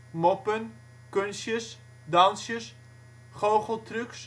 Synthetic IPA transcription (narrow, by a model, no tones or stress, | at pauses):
mɔpən | kønsjəs | dɑnsjəs | χowχəlˠtryks